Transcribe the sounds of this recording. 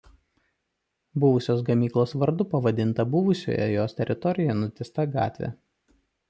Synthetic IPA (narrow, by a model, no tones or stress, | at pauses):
bʊʋʊsʲoːs̬ɡɐmʲiːklˠoːsʋɐɾd̪ʊpɐʋɐd̪ʲɪnt̪ɐbʊʋʊsʲo̰ːjɛ̰joːst̪ʲɛɾʲɪt̪ɔɾʲɪjɛnʊt̪ʲɪst̪ɐɡɑ̰ːt̪ʲʋʲḛ